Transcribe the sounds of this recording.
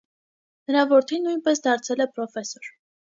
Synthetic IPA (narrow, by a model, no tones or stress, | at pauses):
nəɾɑvɔɾt̪ʰinːujnpɛsd̪ɑɾt͡sʰɛlɛpɾɔfɛsɔɾ